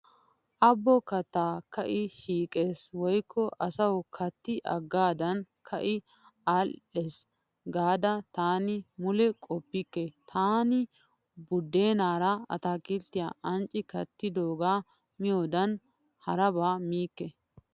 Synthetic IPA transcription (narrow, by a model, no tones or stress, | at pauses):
ʔɐbːɔkɐt̪ːaːkɐʔɪʃiːkʼe̞ːswɔjkːɔʔɐsɐwkʰɐt̪ːɪʔɐ̰ɡːaːd̪ɐn | kʰɐʔɪ | aːleːs | ɡaːd̪ɐt̪aːnɪmʊlɛkʼɔpːɪkːɛt̪ʰaːnɪ | bʊd̪ːe̞ːnaːɾɐɐ̰t̪aːkɪlt̪ːɪja̰ːʔɐnt͡ʃʼɪkɐt̪ːɪd̪oːɡaː | mɪjoːd̪ɐn | hɐɾɐbaːmiːkːɛ